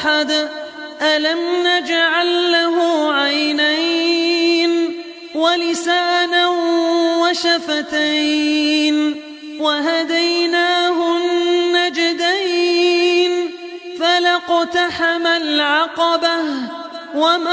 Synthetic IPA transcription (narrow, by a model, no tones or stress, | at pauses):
ħad̪ | ʔalamnad͡ʒaʕalːaɦʊʕajnaj | n | walɪsaːna | waʃafat̪ajn | waɦad̪ajnaːɦʊnːad͡ʒɪd̪aj | n | falaqt̪aħamalʕɑqɑbah | wam